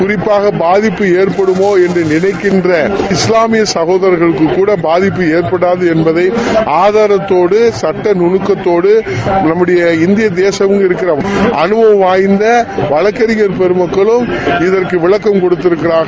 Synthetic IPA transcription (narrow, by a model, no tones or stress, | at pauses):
kʊɾɪpːaːɣɐbaːðɪpːɯeːrpɐɽɯmoːɛndrɯnɪnɐɪkːɪndrɐɪslaːmɪjɐsɐɣoːðɐɾɣɐɭɯkːɯkːuːɽɐbaːðɪpːɯeːɾpɐɽaːðɯɛnbɐðɐɪʔaːðaːɾɐt̪ːoːɽɯsɐʈːɐnʊɳɯkːɐt̪ːoːɽɯnɐmːɯɽɐjɐɪnd̪ɪjɐd̪eːsɐʋɯmɪɾɯkːɪɾɐɐnɯʋɐʋaːjnd̪ɐʋɐɻɐkːɐɾɪɣɐɾpɛɾɯmɐkːɐɭɯmɪðɐrkɯʋɪɭɐkːɐmkɔɽɯt̪ːɪɾɯkːɪɾaːɣɐ